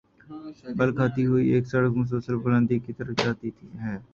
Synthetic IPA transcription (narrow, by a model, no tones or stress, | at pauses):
bəlkʰaːt̪iɦoieːksəɽəkõs̬oːsəlbʊlə̃nd̪ikit̪əɾəfd͡ʒaːt̪it̪ʰiɦɛː